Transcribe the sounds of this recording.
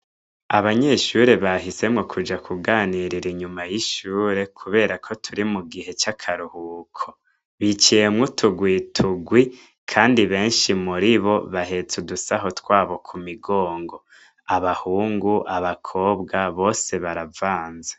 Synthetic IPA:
aβaɲe̞ʃuɾe̞βaɦise̞mŋokʰud͡ʒakʰuɡaːniɾiɾiɲumajiʃuːɾe̞kʰuβe̞ːɾakʰo̞tʰuɾimuɡihe̞t͡ʃakʰaɾuhukʰo | βit͡ʃijemŋutʰuɡwitʰuɡwi | kʰaːndiβe̞ːnʃimuɾiβo̞βaɦe̞t͡sudusaɦo̞tkwaːβo̞kʰumiɡoːŋɡo̞ | aβahuːŋɡuʔaβakʰo̞ːbɡaβo̞ːse̞βaɾavaːnze̥

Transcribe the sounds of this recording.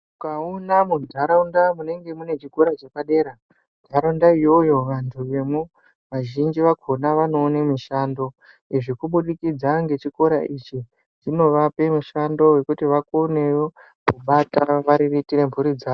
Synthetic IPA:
mukaunamudʱaɾaundamune̞ŋɡe̞mune̞t͡ʃiko̞ɾat͡ʃakaɗe̞ːɾa | dʱaɾaundaijo̞jo̞ʋantʰuʋe̞mwu | ʋaʒind͡ʒiʋakonaʋano̞ːne̞miʃaːndo̞ | iʐikuɓuɗikid͡zaŋɡe̞t͡ʃiko̞ɾaʔit͡ʃi | t͡ʃino̞ʋape̞muʃando̞we̞kutiʋakoneo | kuɓataʋaɾiritiɾe̞mpuɾid͡zaːo

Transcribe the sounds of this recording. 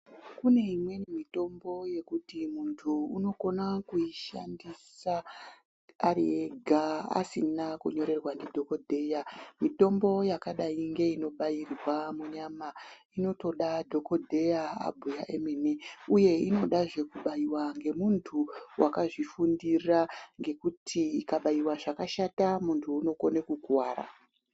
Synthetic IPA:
kune̞imwe̞nemito̞mbo̞je̞kutimuntʰuuno̞ko̞nakuiʃandisaː | rieɡʱaa̰sinakuɲo̞ɾe̞rwandidʱo̞ko̞dʱe̞jamito̞mbo̞jakaɗaiŋɡe̞ino̞ɓajirwamuɲamaino̞to̞ɗadʱo̞ko̞dʱe̞ja̰ːbʱujaʔemeneuje̞ino̞ɗaʐe̞kuɓajiwaŋɡe̞muntʰuwʔakaʐifundiraŋɡe̞kutʰikaɓaiwaʐakaʃatamuntʰuːno̞konekuɡʱwaːɾa̰

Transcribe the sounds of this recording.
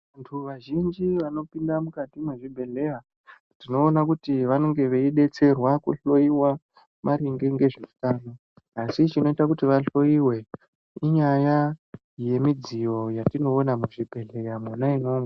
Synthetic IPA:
antʰuʋaʒind͡ʒiʋano̞pindamukatimwuʐibʱe̞ɮe̞ja | tino̞ːnakutiʋano̞ŋɡe̞ʋe̞iɗe̞t͡se̞rwakṵɬo̞iwa | mʔaɾiŋɡeŋɡe̞ʐiu̥taːno | asit͡ʃino̞itakutiʋaɬo̞iwe̞ | iɲaja | je̞mid͡zijo̞jatino̞ːnamuʐibʱe̞ɮe̞jamanaino̞ma

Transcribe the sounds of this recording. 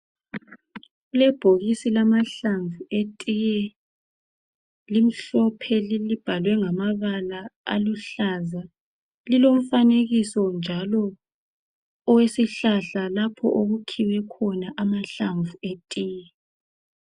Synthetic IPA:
ɣulɛb̥ʱoɣisilamaɬaɱvuetʼijɛ | lim̩ɬɔpʰɛlilib̥ʱalwɛŋamaβalaa̰luɬaza | lilom̩faneɣisɔnd͡ʒʱalɔ | wesiɬaɬalapʰɔ̰ʔoɣukʰiwɛkʰɔnaʔamaɬaɱvuetʼiːjɛ

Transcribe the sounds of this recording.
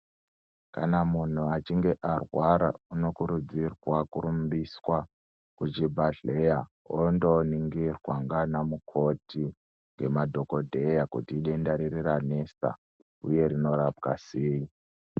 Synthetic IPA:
ka̰namun̤uat͡ʃiŋɡe̞ʔarwaɾa̰uno̞kuɾud͡zirwakuɾumbiswa | kut͡ʃibʱaɮe̞ja | ondoniŋɡirwaŋɡanamukʰo̞ti | ŋɡe̞madʱo̞ko̞dʱe̞jakutiːɗendaɾirirane̞sa̰ | ṵje̞ɾino̞ɾab̚ɡaseːi

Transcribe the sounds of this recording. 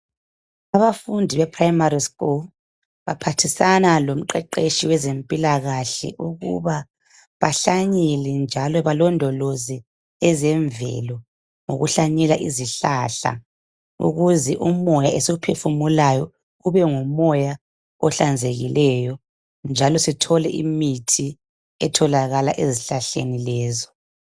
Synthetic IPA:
aβafundʱiβɛpʰrajmaɾiskul | βa̰pʰatʰisanalom̩ǃɛǃeʃiwɛzempʼilaɣaɬɛ̰ʔuɣṵβa | βaɬaɲɛlɛnd͡ʒʱalɔβalɔndʱɔlozi | ɛzɛɱvɛ̰lɔ | ŋo̰ɣuɬaɲɛlaʔiziɬaɬa̰ | ṵɣuzɛʔumɔjaesiɣupʰefumulajɔ | ɣuβɛŋumɔja | ɔɬand͡zʱeɣḭlɛjɔ | nd͡ʒʱalɔsitʰɔlɛʔimitʰi | ɛtʰɔlaɣalaʔeziɬaɬenilɛːzɔ

